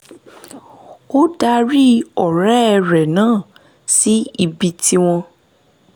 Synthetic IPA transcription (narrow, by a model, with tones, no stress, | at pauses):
o˦da˧ɾi˦ɔ˨ɾɛ˨˦˧ɾɛ˨nãː˦˨ | si˨˦i˧bi˧tʰi˧w̃ɔ̃˧